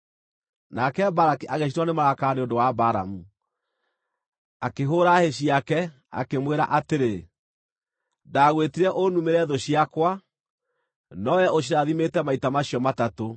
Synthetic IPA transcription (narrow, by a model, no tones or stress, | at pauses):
nakɛbaɾakiʔaɣeɕitwanemaɾakaneondowabaɾa̰mu | akeɦoːɾaheɕiakɛ | a̰kemweɾa̰ʔateɾe | daːɣwetiɾɛʔonumeɾɛðoɕiakwa | nɔjɛoɕ̬iɾaðimetɛmaitamaɕiɔmatato